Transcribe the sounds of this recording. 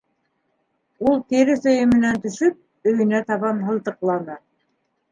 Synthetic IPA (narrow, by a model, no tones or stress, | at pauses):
ulˠk̪iɾɘθɵ̆jɘmɘ̆nænt̪ɵ̆ʃɵp̚ | ɵ̆jɘ̆næt̪ɑβɑnɦɤ̆lˠt̪ɤ̆qlˠɑnɤ